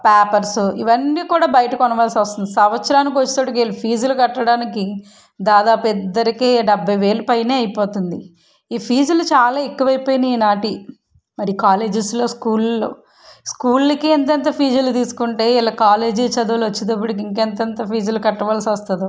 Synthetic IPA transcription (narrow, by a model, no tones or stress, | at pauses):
paːpɐɾsuiʋɐnːiːkuːɽaːbɐjɐʈɐkɔnɐʋaːlsiʋɐst̪und̪isɐmɐt̪sɐɾaːnikiʋɐt͡ʃːi̥t̪oːʈikeːlupʰiːd͡ʒulukɐʈːɐɽaːniki | d̪aːd̪aːpuid̪ːɐɾikeːɖɐbʱːɐjʋe̞ːlupɐjne̞ːɐjpoːt̪und̪i | iːpʰiːd͡ʒɐlut͡ʃaːlaːekːuʋɐjipoːjinɐiːnaːʈi | mɐɾikaːleːd͡ʒislo̞ːskuːllo̰ː | skuːlːɐkeːnt̪ent̪̬ɐpʰiːd͡ʒɐlut̪̬iːsu̥kuɳʈe̞ːilːɐːkaːle̞ːd͡ʒiːt͡ʃɐd̪uɐlʋɐt͡ʃːid̪ɐpːuɽik̬iŋkɛnt̪ent̪ɐpʰiːd͡ʒɐlukɐʈːɐʋaːlsiʋɐst̪ɐd̪u